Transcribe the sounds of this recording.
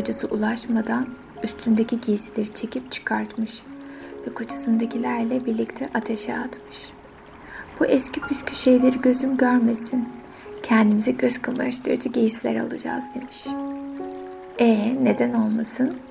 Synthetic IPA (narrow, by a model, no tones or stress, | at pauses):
d͡ʒasɯʔulˠaʃmad̪an | yst̪ʰynd̪ecʰiɟejisilʲeɾit͡ʃʰe̞cʰip̚t͡ʃʰɯ̥kʰaɾt̪mɯʃvɛkʰot͡ʃʰḁsɯnd̪acʰilʲæɾlʲɛbiɾlʲict̪ʰɛʔat̪ʰeʃɛat̪mɯʃ | b̥uʔɛscʰipʰyscʲʰyʃe̞jlʲeɾiɟø̞zymɟøɾme̞sin | cʰɛnd̪imizɛɟøz̥kʰamaaʃt̪ʰɯ̰ɾd͡ʒɯɟejislʲḛɾa̰lˠud͡ʒa̰ːzd̪e̞miʃ | ɛne̞d̪æno̞lˠmasɯn